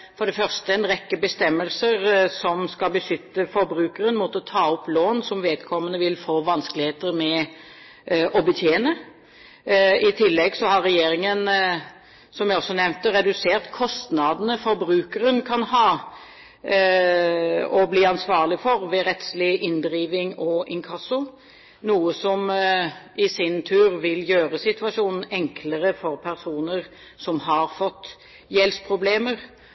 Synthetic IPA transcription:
fɔɖ̪ɛfœʁst̪əɛnʁɛkːəbəst̪ɛmːəlsəʁsɔmskɑlbəʃʏt̪ːəfɔɾbɾʉːkəɾənmut̪əɔt̪ʰɑːɔploːnsɔmʋeːd̪kʰɔmːənəʋɪlfoːʋɑnskəlɪheːt̪əɾmɛ | ʔɔbət̪ʰjeːnə | ɪt̪ʰɪlːɛɡsɔhɑɾːɛjeːɾɪŋən | sɔmʋɛɪɔsːɔnɛʋnt̪əɾɛd̪ʉseːʁt̪kʰɔst̪nɑd̪ənəfɔɾbɾʉːkəɾənkʰɑnhɑː | ɔbliːɑnsʋɑːʁlɪfɔɾʋɛɾɛt̪slɪʔɪnd̪ɾiːʋɪŋɔʔɪŋkʰɑsʊ | nuːəsɔm | ɪsɪnt̪ʰʉːɾʋɪljøːɾəsɪt̪ʉɑʂuːnn̩ɛŋkʰləɾəfɔɾpʰæɾsuːnəɾ | sɔmɦɑɾfɔt̪ː | jɛlspʰɾʊbleːməɾ

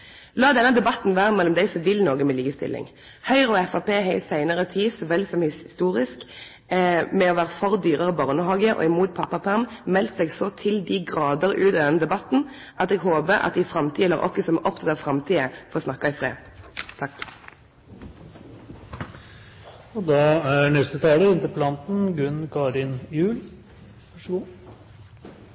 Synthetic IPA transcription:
lɑːd̪ɛnːəd̪ɛbɑt̪n̩ʋæːʁəmɛlːɔmd̪æɪsɔʋɪlnoːɡəmɛliːkəst̪ɪ̰lːɪ̰ŋ | hœʏʁɔɛfɑpeːɦeɪsæɪnəʁət̪ʰiːsɔʋɛlsɔmhɪst̪uːʁɪsk | mɛɔʋæːʁəfɔʁd̪yːʁəʁəbɑʁnəhɑːɡəʔɔ̰ːɪmuːt̪̚pʰɑpːɑpʰæʁmmɛlt̪sɛɡsɔt̪ʰɪld̪ɪɡʁɑːd̪əʁʉːt̪ɑd̪ɛnəd̪ɛbɑt̪n̩ | ʔɑt̪ɛɡɦoːbəɾɑ̰t̪̚ɪfʁɑmt̪ʰiːələʁʔɔ̰kːəsɔmʔɔpt̪ʰɑt̪ːəfʁɑmt̪ʰiːəfɔʁɔsnɑkːɑɪfʁḛː | t̪ʰɑkː | ɔd̪ɑːæɳɛst̪ət̪ʰɑːləɪnt̪ɪpʰlɑnt̪n̩ɡʉnkʰɑɾɪnjʉːl | ʋœʂɡuː

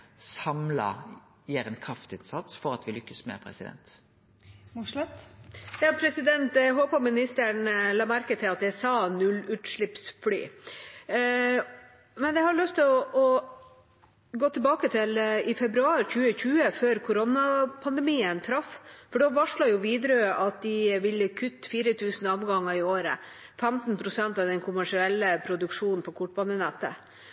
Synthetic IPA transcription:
sɑmlɑ̰ | jeɾɛnkʰɾɑft̪ɪnsɑt̪sfɔɾɑt̪ʋɪlʏkːəsmɛ̰pʰɾɛ̰sɪd̪ɛ̰nt̪ | t̪jɑːpʰɾɛsɪd̪ɛnt̪d̪ɦoːpɑmɪnɪst̪əɳlɑːmæɾkət̪ʰɪlɑt̪̚d̪ɛsɑːnʉlːʉːt̪ʂɭɪpsfly̰ː | mɛnjɛhɑɾɭœst̪ʰɪlɔʔɔ | ɡoːt̪ʰɪlbɑːkət̪ʰɪlɪfɛbɾʉɑːɾçʉːəçʉːəføːɾkʰʊɾɔnɑpʰɑnd̪ɛmiːənt̪ʰɾɑffɔɖɔʋɑʂɭɑjʊʋiːd̪ɾøʔɑt̪̚d̪ɪʋɪlːəkʰʉt̪ːfiːɾət̪ʰʉːsnɔmɡɑŋːəɾɪoːɾə | fɛmt̪n̩pʰɾʊsɛnt̪ɑʋd̪ɛnkʰʊmæʂɪɛlːəpʰɾʊd̪ʉkʂuːnn̩pʰɔkʰʊʈbɑnənɛt̪ːə̰

